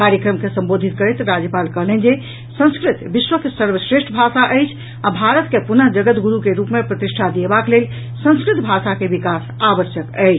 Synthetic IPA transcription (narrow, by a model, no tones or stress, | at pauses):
kaɾjəkɾəmkesə̃mbod̪ʱit̪̚kəɾɛt̪ɾad͡ʒjəpalkəɦlɛnd͡ʒe | sə̃ñskɾit̪biʃwəkesəɾbsɾeʃʈʰəbʱasaʔəjt͡ʃʰ | abʱaɾət̪kepunəɦd͡ʒəɡət̪ɡuɾukeɾupmepɾət̪iʃʈʰad̪iebaklel | sə̃ñskɾit̪bʱasakebikas | abəsjəkə̰ɪt͡ʃʰ